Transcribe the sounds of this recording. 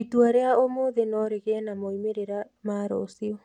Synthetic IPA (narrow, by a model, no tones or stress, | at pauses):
ituaɾeaomoðenɔɾeɣeanamɔimeɾeɾa | maːɾo̰sio